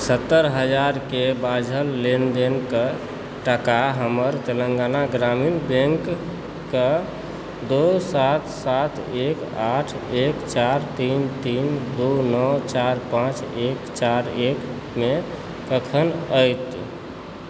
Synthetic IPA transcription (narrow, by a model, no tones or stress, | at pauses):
sət̪ːəɾɦəd͡ʒaɾkebad͡ʒʱəlːend̪enkə | ʈəkaɦəməɾt̪elə̃ŋɡanaɡɾaminbẽŋkː | ə | d̪osat̪sat̪ʰekaʈʰ | ekt͡ʃaɾt̪int̪ind̪onɔt͡ʃaɾpãt͡ʃekt͡ʃaɾek | me | kəkʰənəjt̪